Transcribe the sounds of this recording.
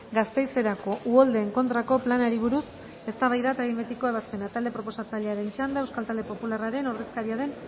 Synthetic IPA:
ɡast̪e̞jse̞ɾako̞ʔuold̪e̞ːŋko̞nt̪ɾako̞planaɾiβ̞uɾus | e̞st̪aβajðat̪aɣimet̪iko̞e̞βaspe̞nat̪ald̪e̞pɾo̞po̞sat͡saʎe̞aɾe̞nt͡ʃand̪aewskalt̪ald̪e̞popularaɾe̞noreskaɾiaðe̞n

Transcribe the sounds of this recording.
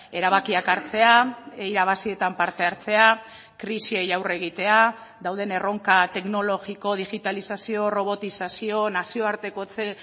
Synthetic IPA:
e̞ɾaβ̞akiakaɾt͡se̞aeiɾaβ̞asie̞t̪ampaɾt̪e̞aɾt͡se̞a | kɾisiejawre̞ɣ̞it̪e̞a | ðawð̞e̞ne̞ro̞ŋkat̪e̞kno̞lo̞ɣiko̞ð̞iɣit̪alisasio̞ro̞β̞o̞t̪isasio̞nasio̞aɾt̪e̞ko̞t͡se

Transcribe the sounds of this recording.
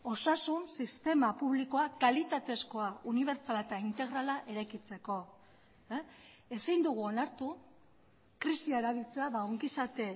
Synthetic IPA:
o̞sasunsist̪e̞mapuβliko̞akalit̪at̪e̞sko̞auniβ̞e̞ɾt͡salat̪aint̪e̞ɣ̞ɾalaʔe̞ɾajkit͡se̞ko̞ | esind̪uɣ̞uo̞naɾt̪u | kɾisiaeɾaβ̞ilt͡seaβauŋɡisat̪e̞

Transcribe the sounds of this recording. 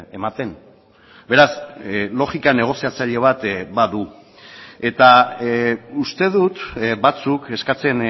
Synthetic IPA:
e̞mat̪e̞n | be̞ɾaslo̞ɣikane̞ɣ̞o̞siat͡saʎe̞β̞at̪baðu | e̞t̪a | ust̪e̞ðut̪bat͡suke̞skat͡se̞n

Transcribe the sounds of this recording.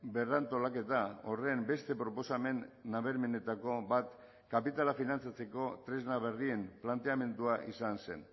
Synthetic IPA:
be̞rant̪o̞lake̞t̪ao̞re̞mbe̞st̪e̞pɾo̞po̞same̞nːaβ̞e̞ɾme̞ne̞t̪ako̞bat̪ | kapit̪alafinant͡sat͡se̞ko̞t̪ɾe̞znaβe̞rie̞mplant̪e̞ame̞nd̪uaʔisanse̞̰n

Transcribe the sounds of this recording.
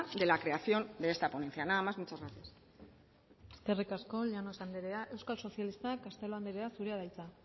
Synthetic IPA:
d̪e̞lakɾe̞aθjo̞nd̪e̞est̪apone̞nθjanamazmut͡ʃazɣat̪ias | eske̞rikasko̞ʎanosand̪eɾeaʔe̞wskalso̞θjalist̪akast̪e̞lo̞and̪eɾe̞asuɾe̞aðajt͡sa

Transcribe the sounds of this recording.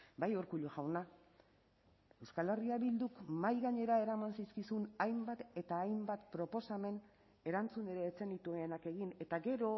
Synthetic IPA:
bajoɾkuʎuʝawna | e̞wskale̞riaβild̪ukmajɣaɲe̞ɾae̞ɾamansiskisunajmbat̪e̞t̪aːjmbat̪pɾo̞po̞same̞n | e̞ɾant͡suneɾeːt͡se̞nit̪ueːnake̞ɣine̞t̪aɡe̞ɾo̞

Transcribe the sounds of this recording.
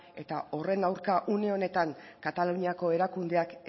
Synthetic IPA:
e̞̰t̪ao̞re̞nawɾkaʔuneo̞ne̞t̪aŋkat̪aluɲiako̞e̞ɾakund̪e̞ak

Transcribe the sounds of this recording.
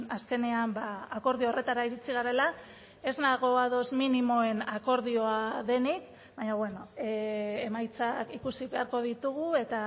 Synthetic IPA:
aske̞ne̞ambaːko̞ɾðioore̞t̪aɾaiɾit͡siɣaɾe̞la | e̞znaɣ̞o̞aðo̞zminimo̞e̞nako̞ɾðio̞aðe̞nik | baɲaβwe̞no̞eemajt͡sakikusiβe̞aɾko̞ð̞it̪uɣ̞ue̞t̪a

